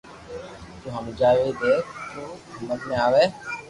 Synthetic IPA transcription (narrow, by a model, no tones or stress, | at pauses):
d͡ʒoːɦəmd͡ʒaːʋed̪eːkʰt̪oːəmːət̪mẽaːʋeː